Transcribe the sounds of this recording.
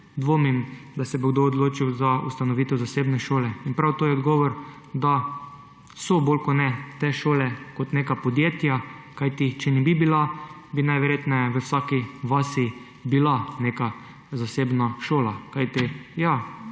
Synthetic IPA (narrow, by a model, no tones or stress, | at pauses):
d̪ʋomin | d̪asɛboɡd̪oːd̪loːt͡ʃiwzaust̪anɔʋiːt̪ɛwzaseːbnɛʃoːlɛinpɾawt̪oːjɛɔd̪ɡɔːʋɔɾ | d̪a | soboːlkɔnɛt̪eʃoːlɛkɔt̪neːkapɔd̪jeːt̪ja | kajt̪it͡ʃɛnɛbibila | binajʋɛɾjeːt̪nɛjʋəwsaːkiʋaːsi | bilaneːka | zaseːbnaʃoːlakajt̪ija